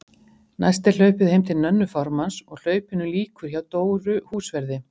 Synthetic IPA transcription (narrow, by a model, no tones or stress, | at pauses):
na̰jst̪ɪl̥œːɥpɪðhejmt̪ʰɪlnœnːʏfɔɾmansɔɣl̥œːɥpɪnːʏliːkvʏɾ̥çawt̪oːwɾʏhuːsvɛɾðɪ